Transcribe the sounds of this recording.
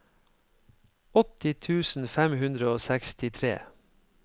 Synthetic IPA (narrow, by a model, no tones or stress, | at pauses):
ɔt̪ɪt̪ʰʉːsn̩fæmhʉnd̪ɾəoːsækst̪ɪt̪ʰɾḛː